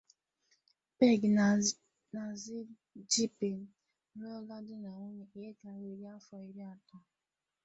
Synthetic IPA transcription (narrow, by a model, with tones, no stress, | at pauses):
pe˦ɡ | na˨zi˦ | d͡ʒi˦pe˨n̩˦ | o˦ɔ˦ɡa˦dɪ˦na˨ŋʊ˦ɲe˨e˦ka˨ɾe˨ɾa˦fɔ˨i˨ɾi˦a˨ta˦